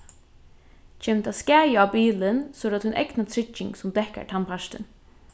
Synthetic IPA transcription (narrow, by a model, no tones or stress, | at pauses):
t͡ʃʰɛmt̪askæːjɪawpiːlɪnsɔɾat̪hʊnʔɛ̰knat̪ʰɾɪt͡ʃːɪ̰ŋɡsʊmd̪ɛhka̰ɹt̪ʰanpʰaʂt̪ɪ̰n